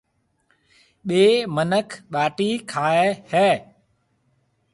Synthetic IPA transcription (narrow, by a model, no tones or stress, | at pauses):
ɓeːmənəkʰɓaːʈiːkʰaːehɛː